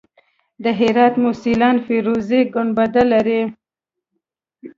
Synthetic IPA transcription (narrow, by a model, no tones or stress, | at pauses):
d̪əɦɪɾɑt̪mʊsilɑnfeɾozeɡʊnbad̪alːaɾi